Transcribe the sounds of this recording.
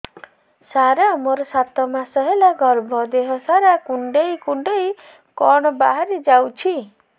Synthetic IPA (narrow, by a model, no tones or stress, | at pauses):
saɾamoɾɔsat̪ɔmasɔɦelaɡɔɾbʱɔd̪eɦɔsaɾakuɳɖejkuɳɖej | kɔɽ̃ɔba̰ɦaɾid͡ʒawt͡ʃʰi